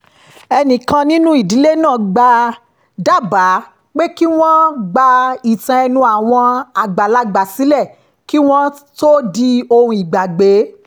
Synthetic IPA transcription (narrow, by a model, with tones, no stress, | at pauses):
ɛ˧nĩ˨kã˧nĩ˦nũ˦i˦˨di˨˦le˦nãː˦˨ɡ͡ba˧ | da˦˨ba˨˦ | k͡pe˦ki˦w̃ɔ̃˦ɡ͡ba˧i˨tã˧ɛ˧nũ˧˦a˨w̃ɔ̃˧a˨ɡ͡ba˨la˨˦ɡ͡ba˨si˨˦lɛ˦˨ | ki˦w̃ɔ̃˦to˦di˧o˧hũ˧i˨ɡ͡ba˨ɡ͡be˨˦